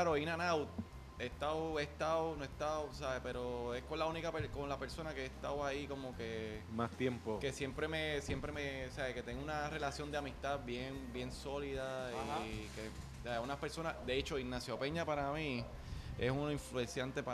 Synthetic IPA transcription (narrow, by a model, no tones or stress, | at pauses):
aɾoinanawt̪̚ | est̪aoest̪awonoehst̪aosaβepe̞ɾoe̞hkolaunikapekonlape̞ɾso̞nakeest̪a̰waiko̞mo̞kemast̪jempoke̞sje̞mpɾe̞mesje̞mpɾemesaβeke̞t̪e̞ŋɡunare̞lasjo̞nd̪eamist̪abjeŋbje̞nso̞liðaike | saeunape̞ɾso̞nad̪eet͡ʃo̞iŋnasjope̞ɲapaɾami | e̞̰sunoiɱfluẽnsjant̪epa